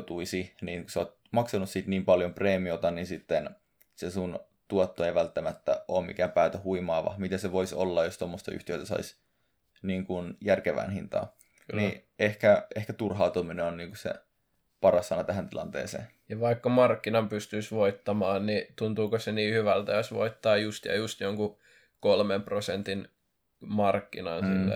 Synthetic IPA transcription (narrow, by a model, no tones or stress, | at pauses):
t̪uisiniːnkuseoːt̪̚ | mɑksɑnussiːt̪niːmpɑljompreːmiot̪ɑninsit̪ːen | sesun | t̪uot̪ːoeiʋælt̪ːæmæt̪ːæ̰ʔoːmmḭkæːmpæːt̪æhuimɑːʋɑ̰mit̪eseʋoiso̰lːɑjost̪omːost̪ɑy̰ht̪iø̰t̪æsɑ̰is | niːŋkunjærkeʋæ̰ːnhint̪ɑ̰ː | ni | ehkæehkæt̪urɦɑut̪umineonniːŋkusḛ | pɑrɑsːɑnɑt̪æhænt̪ilɑ̰nt̪ḛːsḛːn | jɑʋɑikːɑmɑrkːinɑmpyst̪yisʋoit̪ːɑmɑːnnit̪unt̪uːkoseniːhyʋælt̪æɑsʋo̰it̪ːɑːjust̪jɑ̰just̪joŋku | kolmemprosent̪in | mɑrkːinɑnsilːḛ